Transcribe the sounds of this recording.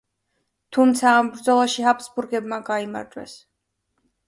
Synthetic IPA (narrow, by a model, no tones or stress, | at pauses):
t̪ʰumt̪sʰaːmbɾd̪zɔlˠaʃiɦapsbuɾɡɛbmaɡaima̰ɾd͡ʒʼwɛ̰s